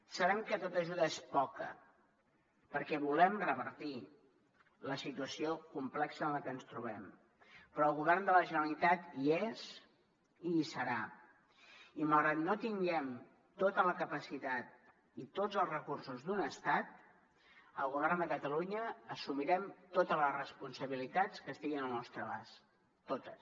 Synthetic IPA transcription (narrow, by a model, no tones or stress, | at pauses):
səβɛmkət̪ot̪əʒuðəespɔkə̰ | pəɾkɛβulɛmrəβəɾt̪i | ləsit̪uəsiokumplɛksəːnləkənst̪ɾuβɛm | pɾɔːlˠɣuβɛrnd̪ələʒənəlit̪at̪iez | isəɾa | iməlˠɣɾat̪̚not̪iŋɡɛm | t̪ot̪ələkəpəsit̪at̪̚ | it̪od͡zəlˠzrəkursuzd̪unəst̪at̪̚ | əlˠɣuβɛrnd̪əkət̪əluɲəːsumiɾɛmt̪ot̪əzləzrəspunsəβilit̪at͡skəst̪iɣinəlˠnɔst̪ɾəβa̰s | t̪ot̪əs